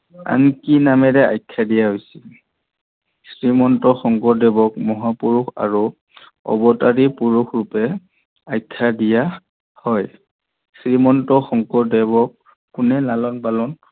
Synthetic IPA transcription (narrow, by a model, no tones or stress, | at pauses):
a̰nkinamɛdɛa̰jkʰːadijaɦojsi̥ | sɹimɔntɔxɔŋkɔdɛbɔkmɔɦapuɹuxa̰ɹu | ɔ̰bɔtaɹipuɹuxʰɹupɛ | ajkʰːadija | hɔj | sɹimɔntɔxɔŋkɔdɛbɔkː | ʊnɛlalɔnpalɔn